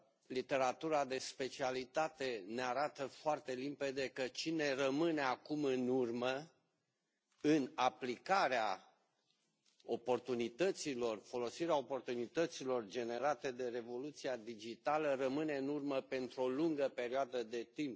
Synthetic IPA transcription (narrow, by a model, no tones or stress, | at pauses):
lit̪e̞ɾat̪uɾad̪e̞spe̞t͡ʃialit̪at̪e̞neaɾat̪əfoart̪elimpe̞d̪e̞kət͡ʃine̞rəmɨne̞akumɨnurmə | ɨnaplikaɾea | o̞po̞rt̪unit̪ət̪silo̞rfo̞lo̞siɾeao̞po̞rt̪unit̪ət̪silo̞rd͡ʒe̞ne̞ɾat̪e̞d̪e̞re̞vo̞lut̪siad̪id͡ʒit̪alərəmɨne̞ɨnurməpe̞nt̪ɾuo̞luŋɡəpe̞ɾioad̪əd̪e̞t̪imp